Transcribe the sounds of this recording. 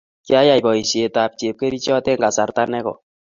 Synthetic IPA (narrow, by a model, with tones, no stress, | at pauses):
kja˦ja˨bɔ˨i˨sje˨ta˨p̚t͡ʃe˨p̚ke˦ɾi˦t͡ʃjɔ˦tɛ˦ŋɡa˨sa˨rta˦nɛ˦kɔ̰˨